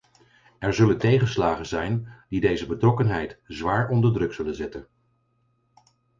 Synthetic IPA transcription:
ɛɹzɵləntejχənslaːχənzɛjnd̥idejzəbətrɔkənɦɛjtzʋaːɹʔɔndəɹdrɵksɵlənzɛtən

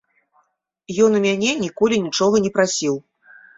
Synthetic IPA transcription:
jɔnumʲanʲɛnʲikɔlʲinʲit͡ʂɔɣɐnʲɛpɾasʲiw

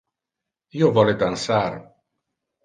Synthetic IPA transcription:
iːovɔled̪ansar

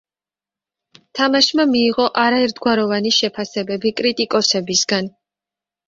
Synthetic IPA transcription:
t̪ʰamaʃmamiːʁɔʔaɾaɛɾt̪ʰɡwaɾɔvaniʃɛpʰasɛbɛbikʼɾit̪ʼikʼɔsɛbisɡan

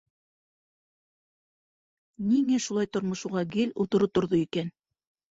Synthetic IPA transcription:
niŋæʃulˠɑjt̪ŏɾmŏʃuʁɑɡɘlut̪ŏɾɤt̪ŏɾðoikæn

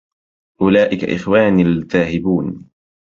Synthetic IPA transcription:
ʔʊlaːʔɪka̰ʔɪ̰xwaːnɪlðaːhɪbuːn

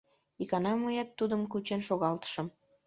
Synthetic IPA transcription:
ikɑnɑmujɑt̪ːud̪əmkut͡ɕenʃoɣɑlt̪ə̥ʃə̆m

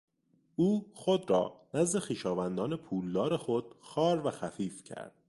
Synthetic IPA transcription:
ʔuːxod̪ɾɒ̰ːnæzd̪e̞xiːʃɒːvænd̪ɒːne̞pʰuːld̪ɒːɾe̞xod̪̥̚xɒːɾvæxæfiːfcʰæ̰ɾd̪̥

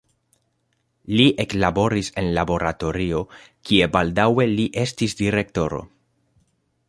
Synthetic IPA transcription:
liʔe̞klabo̞ɾise̞nlabo̞ɾato̞ɾio̞ | kie̞baldawe̞liʔe̞stisdiɾe̞k̚to̞ɾo̞̰

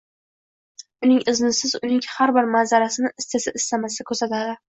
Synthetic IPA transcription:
ʊnɪŋɪznɪsɪzʊnɪŋhaɾbɪɾmazaɾasɪnɪʔɪst̪ʰesɪɪst̪amasɪd̪akʰɵɾsat̪ʰad̪ɪ

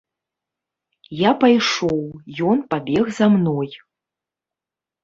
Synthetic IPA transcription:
japajʂowjɔnpabʲeɣzamnoj

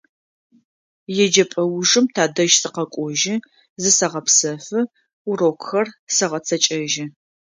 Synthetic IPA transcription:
jɛd͡ʒɐpʼɐwʐɨmtʰaːdɐʒsɨqɐkʷʼɔʒɪ | zɨsɐʁɐpsɐfɨ | ʊroːkʷxɐrsɐʁɐt͡sʰɐt͡ʃʼɐʒɪ

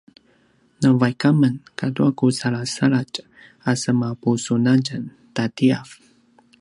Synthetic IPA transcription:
nəvajkamənkatuakusaɭasaɭat͡ʃ | asəmapusunad͡ʒən | tatiaf

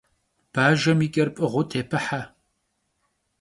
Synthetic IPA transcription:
b̥aːʒɐmiːkʲʼɐrpʼɨʁʷʊtʰeːpʰɨħa

